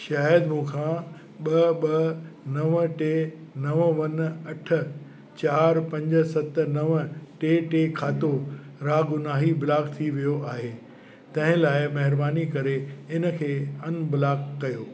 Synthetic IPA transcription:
ʃaːɦəd̪mũːkʰã | ɓɐɓɐnɐʋʈeːnɐʋʋɐnɐʈʰə̆ | t͡ɕaːɾpɐ̃ɲd͡ʑə̆sɐt̪̆nɐʋʈeːʈeːkʰaːt̪o | ɾaːɡʊnaːɦibɪlaːkt̪ʰiʋijoʔaːɦeː | t̪ɐ̃ɦɪ̃laːɪmɐɦɪɾbaːnikɐɾeɪnə̆kʰeːɐnbɪlaːkːɐjoː

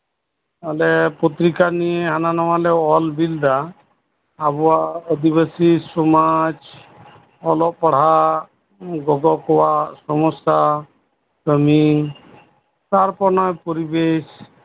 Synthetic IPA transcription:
alɛpot̪ɾikanijeɦananɔwalɛɔlbild̪aː | bɔaəd̪iβəsisɔmad͡ʒ | ɔlɔpɔɽ̤ɦa | ɡɔɡɔkɔwasɔmɔst̪a | kəmi | t̪aɾpɔɾnɔjpɔɾibes

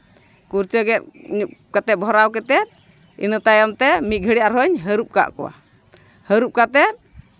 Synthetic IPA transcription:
kuɾt͡ʃəɡɛt̪̚ɲukat̪ɛbʱɔɾawkɛt̪ɛt̪̚ | ḭnət̪ajɔmt̪ɛmit̪̚ɡʱəɽɛjaɾɦɔɲɦəɾup̚ka̰ʔkɔ̰wa̰ | həɾup̚kat̪ɛ

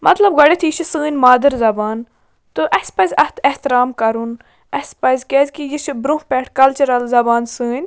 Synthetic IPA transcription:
mɐt̪lɐbɡɐɽʲet̪ʰiːʃisɨ̃ːnʲmaːd̪ɐɾzɐbaːn | t̪ɨʔɐsʲpɐzʲɐht̪ʰeht̪iɾaːmkɐɾun | ɐsʲpɐzʲkʲezʲkijiʃibɾũhpʲɛːʈʰkɐlt͡ʃɐɾɐlzɐbaːnsɨːnʲ

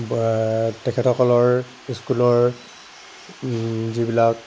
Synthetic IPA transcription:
tɛkʰɛtʰɔkɔlɔɹ | iskulɔɹ | zibilak̚

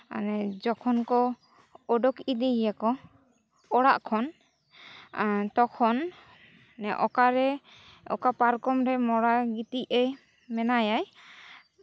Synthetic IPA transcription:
a̰nɛd͡ʒɔkʰɔnkɔ | ɔɖɔkid̪ijakɔ | ɔɽaʔkʰɔn | t̪ɔkʰɔnː | ɛʔɔkaɾɛ | ɔ̰kapaɾkɔmɾɛmɔɽaɡit̪iʔɛ | mɛnajaj

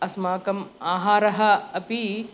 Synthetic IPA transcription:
ɐsmaːkɐmaːɦaːɾɐɦɐɐpi

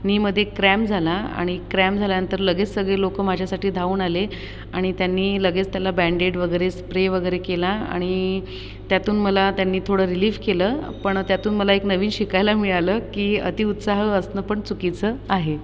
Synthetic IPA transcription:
niːməd̪ʱːjekɾæmd͡zʱalaa̰ɽ̃ikɾæmd͡zʱaljanənt̪əɾləɡet͡ssəɡɭelokəmad͡ʑʱjasaʈiːd̪ʱauːnale | aɽ̃it̪janːiːləɡet͡st̪jalabæɳɖeʈʋəɡəjɾespɾeʋəɡəjɾekelaa̰ɽ̃i | t̪jat̪uːnməlat̪janːiːt̪ʰoɽəɾiliːʋkeləːpəɳt̪jat̪uːnməlaeknəʋiːnɕikajlamiɭaləːkiːə̰t̪iːut̪saɦəəsnəpəɳt͡sukit͡səaɦe

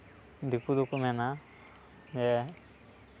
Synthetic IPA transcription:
d̪ikud̪ukumɛna | mɛ

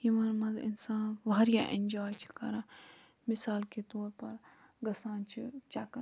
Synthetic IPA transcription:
jimɐnmɐzɪ̰nsaːnʋʱaːɾjaːʔḛnd͡ʒoːjt͡ʃʰi̥kɐɾã | mɪsaːlket̪oːɾpɐɾ | ɡɐsãːnt͡ʃʰit͡ʃakɐ

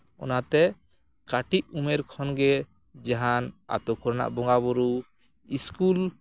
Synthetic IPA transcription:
ɔ̰nat̪ɛ | kaʈiʔ̚umɛɾkʰɔnɡɛ | d͡ʒaɦana̰t̪ɔkʰɔɾna̰ʔbɔŋɡabɔɾu | iskul

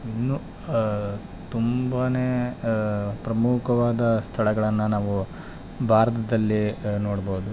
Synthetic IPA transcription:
inːuː | t̪umbaːneː | pɾɐmukʰɐʋaːd̪ɐst̪ʰɐɭɐɡɐɭɐnːunaːʋu | bʱaːɾɐt̪̬ɐd̪ɐlːinoːɽboːud̪u

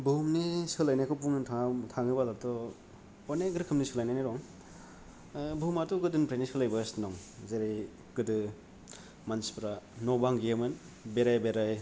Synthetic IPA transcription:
bumnisɯlajnajkʰɔwpuŋɯntʰaŋtʰaŋɯbalaɾtɔ | ɔneɡɾɯkʰɯmnisɯlajnajnaɾɔŋ | bumatuɡɯdɯnpɾenisɯlajbasnɔŋzeɾej | ɡ̥ɯdɯ | manspɾanɔbaŋɡijemɯn | beɾajbeɾaj

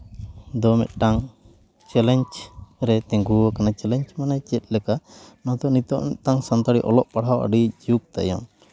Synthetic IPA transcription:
d̪ɔmɛ̰t̪̚ʈaŋ | t͡ʃɛlɛɲt͡ʃɾɛt̪ɛ̃ŋɡuakanat͡ʃɛlɛɲt͡ʃmanat͡ʃɛt̪̚ˀlɛkanɔt̪ɔʔnit̪ɔʔnɛt̪aŋsant̪aɽiʔɔlɔʔpaɽawa̰ɖid͡ʒuk̚t̪a̰jɔ̰ŋ

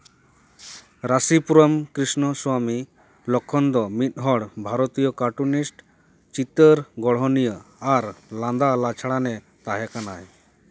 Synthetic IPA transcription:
ɾasipuɾɔmkɾisnɔswami | lɔkʰːɔnd̪ɔmit̪̚ˀɦɔɽbʱaɾɔt̪ijɔkaʈunisʈ | t͡ʃit̪əɾɡɔɽ̤ɦɔnijəaɾlãnd̪alat͡ʃʰaɽanɛ | t̪aɦɛkanaj

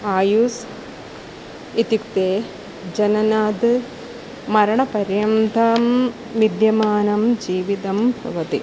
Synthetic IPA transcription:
aːjus | it̪jukt̪eː | d͡ʑɐnɐnaːd̪ɨ | mɐɾɐɳɐpɐɾjɐmd̪ʱaːm | ʋid̪jɐmaːnɐmd͡ʑiːʋid̪ɐmbʱɐ̰ʋɐt̪i

